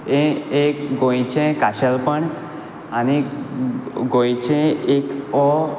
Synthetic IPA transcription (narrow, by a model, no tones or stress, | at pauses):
eekɡojt͡ʃʰẽkaʃəlpəɳ | ani | ɡojt͡ʃʰẽekɔ